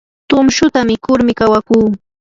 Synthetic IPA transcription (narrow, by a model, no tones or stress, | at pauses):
t̪ʊmʃʊt̪amɪkʊɾmɪkawakuː